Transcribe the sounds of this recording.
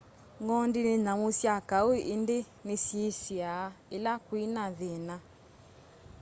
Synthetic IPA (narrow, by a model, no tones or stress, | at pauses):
ŋɡɔndinenamusjakaoʔinde | nesjesjaelakwinaðena